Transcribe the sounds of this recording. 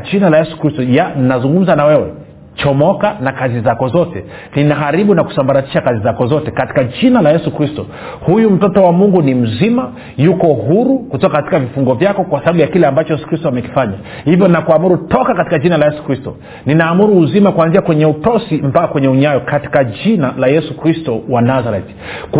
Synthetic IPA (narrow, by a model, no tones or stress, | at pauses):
d͡ʒinalajɛsu̥kɾistɔjannazuŋɡum̩zanawɛwɛ | t͡ʃɔmɔkanakazizakɔzɔtɛ | ninaɦaɾiɓunaku̥sambaɾati̥ʃakazizakɔzɔtɛkati̥kaʄinalajɛsukɾistɔ | hujum̩tɔtɔwamuŋɡunim̩zima | jukɔhuɾukutɔkakati̥kavifuŋɡɔvjakɔkwasaaɓujakilɛambat͡ʃɔjɛsu̥kɾistɔamɛki̥faɲa | hivjɔinakuamuɾutɔkakati̥kad͡ʒinalajɛsu̥kɾistɔ | ninaːmuɾuːzimakuanziakwɛɲɛutɔsim̩bakːakwɛɲɛuɲajɔkati̥kaʄinalajɛsukɾistɔwanazaɾɛt | k